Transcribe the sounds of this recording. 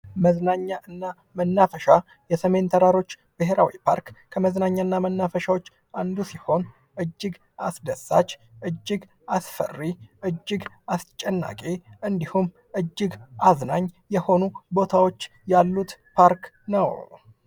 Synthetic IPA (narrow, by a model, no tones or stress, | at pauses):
məznaɲːaʔɨnːa | mənːafəʃa | jɛsəme̞nt̪ʰəɾaɾo̞t͡ʃː | b̥ɨɦeɾawipʰa̰ɾkkʰəməznaɲːaɨnːamənːafəʃawot͡ʃː | ʔand̪usiho̞n | ʔɨd͡ʒːɨɡ | asd̪əsːa̰t͡ʃːʔɨd͡ʒːɪɡ | asfə̰rːiʔɨd͡ʒːɪɡ | ast͡ʃʼːɛnːa̰kʼeʔɨnd̪ihum | ʔɨd͡ʒːɪɡʔaznaɲːjɛho̞nubo̞t̪ʰawo̞t͡ʃː | jalːut̪pʰaɾk | nəw